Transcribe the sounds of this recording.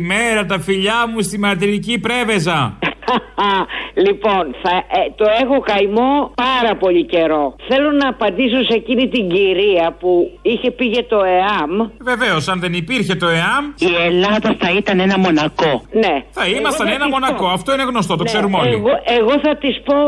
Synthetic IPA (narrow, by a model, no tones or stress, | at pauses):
meɾɐt̪ɐfiʎɐmust̪imɐɾt̪iɾicipɾe̞ve̞zɐ | ɐlipo̞nθɐet̪o̞exo̞kɐjmo̞pɐɾɐpo̞ʎice̞ɾo̞θe̞lonɐːpɐnd̪isosecinit̪iɲɟiɾiɐpuiçe̞piʝet̪o̞eɐmve̞ve̞osɐnðe̞nipiɾçe̞t̪o̞eɐmie̞lɐðɐθɐit̪ɐne̞nɐmo̞nɐko̞ne̞θɐimɐst̪ɐnenɐmo̞nɐkoɐft̪o̞ine̞ɣnost̪o̞t̪okseɾumoliɣoeɣo̞θɐt̪ispo̞